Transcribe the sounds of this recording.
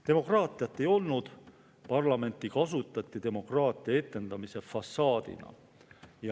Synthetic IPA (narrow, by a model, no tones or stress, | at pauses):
t̪e̞mo̞krɑːt̪ˑijɑt̪ːˑe̞jo̞lnud̪̥ | pɑrlɑme̞nt̪ˑːikɑs̬ut̪ːˑɑt̪ːˑit̪e̞mo̞krɑːt̪ˑiɑe̞t̪ːˑe̞nd̪̥ɑmise̞fɑsːɑːd̪̥ḭnɑ̰ | jɑ